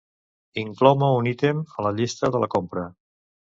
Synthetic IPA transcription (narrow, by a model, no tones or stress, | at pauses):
iŋklɔwməunit̪emələʎist̪əðələkompɾə